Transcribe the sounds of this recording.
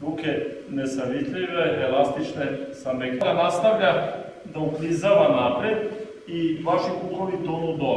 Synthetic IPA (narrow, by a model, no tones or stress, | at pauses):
ɾukenesaʋit̪ʎʲiʋeelast̪it͡ʃnesamekaɾanast̪aʋʎa | d̪auplizaʋanapɾed̪ | iʋaʃikukloʋit̪onud̪o